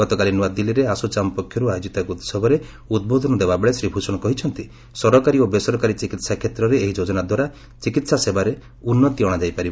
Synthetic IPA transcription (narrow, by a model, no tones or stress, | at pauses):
ɡɔt̪ɔkalinuad̪iliɾeasɔt͡ʃamɔpɔkʰːjɔɾuajod͡ʒit̪akuut̪sɔbʱɔɾe | ud̪̚bod̪ʱɔnɔd̪ebabeɭesɾibʱusɔɽ̃ɔkɔɦit͡ʃʰɔnt̪i | sɔɾɔkaɾiobesɔɾɔkaɾit͡ʃikit̪sakʰet̪ɾɔɾeːɦid͡ʒod͡ʒɔnad̪waɾa | t͡ʃikit̪sasebaɾe | unːɔt̪iɔɽ̃ad͡ʒajpaɾib